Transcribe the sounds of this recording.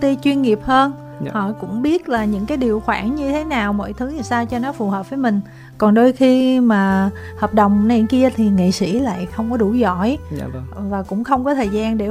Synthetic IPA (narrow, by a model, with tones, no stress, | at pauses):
t̪i˧t͡ɕwi˧ənŋi˨˩əp̚həː˧n | hɔ̰˧˨kʊ̰˧˥ŋ͡mɓi˦˥ət̚laː˨˩ɲɨ̰˧˥ŋkaː˨˦jɗi˨˩əwxwaː˧˩nɲɨ˧t̪ʰe˨˦naː˨˩wmo̰˧˥˨jt̪ʰɨ˨˦ɲ˨˩jsaː˧wt͡ɕɔ˧nɔ˨˦fu˨˩həː˨˩p̚vəː˨˦jmï˨˩ŋ̟ | kɔ˨˩nɗo˧jxi˧maː˨˩ | həː˨˩p̚ɗə˨˩wŋ͡mna˨˩jki˧ət̪ʰi˨˩ŋḭ˧˨sḭ˧˩˥la̰ː˧˨jxə˧wŋ͡mkɔ˨˦ɗu˧˩zɔ̰˧˩˨j | vaː˨˩kʊ̰˧˥ŋ͡mxə˧wŋ͡mkɔ˨˦t̪ʰəː˨˩jzaː˧nɗe˧˩